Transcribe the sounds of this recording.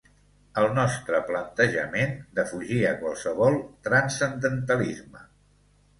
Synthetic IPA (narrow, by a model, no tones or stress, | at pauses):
əlˠnɔst̪ɾəplənt̪əʒə̰mend̪əfuʒiəkwalˠsəβɔlˠt̪ɾənsənd̪ənt̪əlizmə